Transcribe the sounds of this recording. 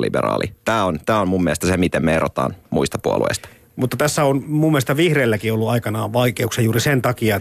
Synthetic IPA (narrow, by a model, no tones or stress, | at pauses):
lḭbḛrɑ̰ːlḭt̪æːont̪æːommumːiɛest̪æsemit̪emmeeɾot̪ɑ̰ːnmuist̪ɑpuo̰luḛst̪ɑ̥ | mut̪ːɑt̪æsːæonmumːeest̪ɑʋihreːlːækiolːuɑikɑnɑːʋɑikeuksɑjuːɾisent̪ɑkiɑ